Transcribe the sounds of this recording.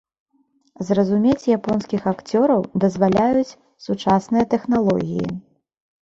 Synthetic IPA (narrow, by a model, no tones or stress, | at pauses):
zrɐzumʲet͡sʲjapɔnskʲixakt͡sʲɔɾɐwd̪ɐzvalʲajut͡sʲ | sut͡ʂasnɨjɐt̪ɛxnalˠɔ̰ɣʲḭjḭ